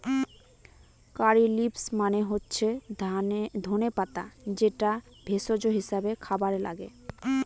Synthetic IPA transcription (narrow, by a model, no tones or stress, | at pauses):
kaɾilipsmaneɦotːɕʰe | d̪ʱonepat̪a̰d͡ʑeʈa | bʱesod͡ʑoɦiʃabekʰabaɾela̰ɡḛ